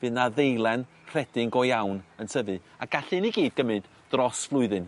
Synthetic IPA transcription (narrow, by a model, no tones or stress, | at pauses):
v̥ɨðnaðejlˠɛn | r̥ɛd̥ɪŋɡɔjawnənsʰəvɨaɡ̥aɬɨniɡiːd̚ɡ̥əmɨnd̥ | d̥rɔsv̥lˠʊɨðɨn